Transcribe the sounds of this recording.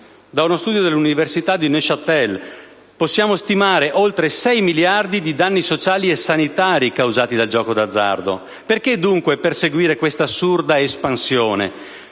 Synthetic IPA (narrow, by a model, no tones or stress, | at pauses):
d̪aunost̪uːd̪jod̪elːuniversit̪ad̪ineʃat̪ːɛl | posːjaːmost̪imaːɾeʔolt̪ɾesɛjmiljard̪id̪id̪anːisot͡ʃaːliesanit̪aːɾikawzaːt̪id̪ald͡ʒɔːkod̪ad̪zːa̰rd̪o̰ | perked̪uŋkweperseɡwiːɾekwest̪asurd̪aespansjoːnḛ